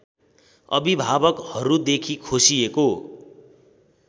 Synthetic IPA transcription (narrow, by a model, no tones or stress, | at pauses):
ʌ̰bibʱabʌkhʌɾud̪ekʰikʰosieko